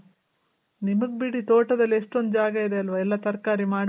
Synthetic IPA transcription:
nimɐɡ̚biɽit̪oːʈɐd̪ɐlːieʂʈond̪d͡ʒaːɡɐid̪eɐlʋɐɛlːɐt̪ɐɾkaːɾimaːɽ

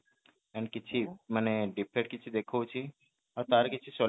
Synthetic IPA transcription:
ɛ̃ɳɖkɪtːt͡ʃʰiməneɖipʰeʈ̚kɪtːt͡ʃʰid̪eːkʰot͡ʃʰi | ɔɾt̪aːɾkɪt͡ʃʰisoː

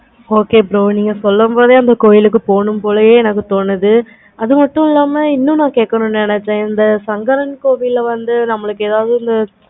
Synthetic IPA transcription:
oːkeːbɾoːniːŋɡɐsɔlːɐmboːðeɐnd̪ɐkoːjɪlɯk̬ːɯpoːɳɯmpoːlɐjeːɛnɐk̬ːɯt̪oːnːɯðɯ | ɐðɯmɐʈːɯ̃ɪlːaːmɐɪnːʊ̃nãːkeːʈkɐɳʊ̃nɛnɛt͡ʃːɛ̃ɪnd̪ɐsɐŋɡɐɾɐɳkoːʋijɪlʋɐnd̪ɯnɐmːɐɭɯkːɯeːðaːʋðɯɪnd̪ɐ

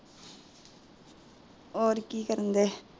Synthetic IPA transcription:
oːɾkːikɐɾɐnd̪e

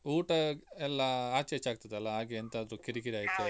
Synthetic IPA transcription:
uːʈɐɛlːɐaːt͡ʃeːt͡ʃaːɡ̚t̪ɐd̪eɐlːɐaːɡeɐnt̪ɐːd̪ɾukiɾikiɾiaːjt̪u

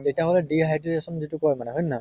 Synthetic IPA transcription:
tetiaɦɔlɛdiɦajdiesɔnzitukɔɹjmanɛɦojnːɔɔ

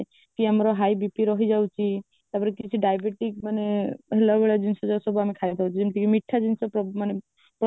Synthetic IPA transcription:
kiamɾɔɦajbipiɾɔɦid͡ʒawt͡ʃʰi | t̪aɾpɔɾekit͡ʃʰiɖajbeʈikmaneɦelabeɭad͡ʒinsɔd͡ʒɔsɔbuamikʰajt̪ʰawt͡ʃʰid͡ʒemt̪ikimiʈʰːad͡ʒinsɔpmane | pɾ

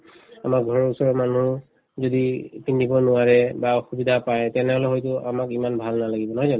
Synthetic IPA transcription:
amakɡʱɔɹɔɹusɔɹɔmanu | zodipindʱibɔnʊwaɹɛbaɔxubidʱapajɛtɛnɛɦɔlɛɦojtʊamakimanbʱalnalaɡibɔnɔɦɔzanɔ

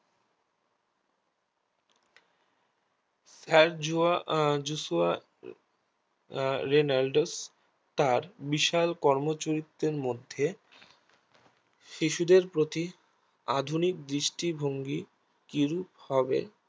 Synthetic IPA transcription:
saɾd͡ʑuad͡ʑusua | ɾenalɖos | t̪aɾbiʃalkɔɾmot͡ɕoɾit̪ɾeɾmod̪ʱːe | ʃiʃud̪eɾpɾot̪i | ad̪ʱunik̚d̪ɾiʃʈibʱoŋɡi | kiɾuphɔbḛ

